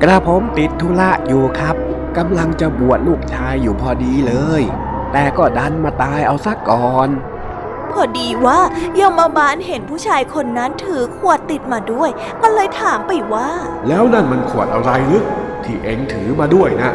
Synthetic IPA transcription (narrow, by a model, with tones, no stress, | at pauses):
kɾaː˧pʰo˨˦˥mt̪i˨˩t̪ʰːu˦˥la˦˥ʔjuː˨˩kʰɾa˦˥p̚ | ka˧mla˧ŋt͡ɕa˨˩ʔbu˨˩ət̪̚luː˥˩k̚t͡ɕʰaː˧jːuː˨˩pʰɔː˧diː˧lɤː˧j | t̪ɛː˨˩kɔː˥˩da˧nmaː˧t̪aː˧jʔa˧wsa˧˥kɔː˨˩n | pʰɔː˧˩diː˧waː˥˩jo˧maː˧baː˧nhe˨˦npʰuː˥˩t͡ɕʰaː˧jkʰo˧nːa˦˥nt̪ʰɯː˨˩˦kʰu˨˩ət̪ːi˨˩t̪̚maː˧du˥˩əj | ma˧nlɤː˧jt̪ʰaː˨˩˦mpa˧˩jwaː˥˩ | lɛː˦˥wna˥˩nma˧nkʰu˨˩ət̪̚ʔa˧wɾa˧jnɯ˦˥k̚t̪ʰiː˧˥˩ʔe˧ŋt̪ʰɯː˩˦maː˧du˥˩əjna˦˥ʔ